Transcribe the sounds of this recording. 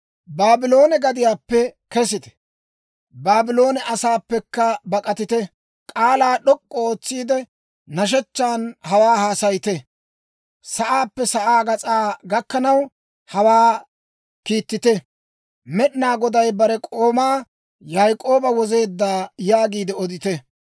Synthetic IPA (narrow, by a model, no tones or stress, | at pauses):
baːbɪlo̞ːnɛɡɐd̪ɪjaːpːɛkɛsɪt̪ɛ̥ | baːbɪlo̞ːnɛʔɐsaːpːɛkːɐbɐkʼɐt̪ɪt̪ɛ | kʼaːlaːɗɔkʼːɔo̞ːt͡sːiːd̪ɛ | nɐʃ̬ɛt͡ʃːaːnhɐwaːhaːsɐjt̪ɛ | sɐʔaːpːɛsɐʔaːɡɐt͡sʼaːɡɐkːɐnɐw | hɐwaː | kiːt̪ːɪt̪ɛ | mɛɗnaːɡɔd̪ɐjbɐɾɛkʼo̞ːmaː | jaːjkʼo̞ːbɐwɔze̞ːd̪ːaːjaːɡiːd̪ɛɔd̪ɪt̪ɛ